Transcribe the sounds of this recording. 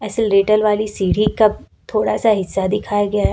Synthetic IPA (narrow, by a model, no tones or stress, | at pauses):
ɛːsəlɾeːʈəlʋaːlisiːɽ̤ikab | t̪ʰoːɽasaɦɪsːad̪ɪkʰaːjaɡɐjaɦɛ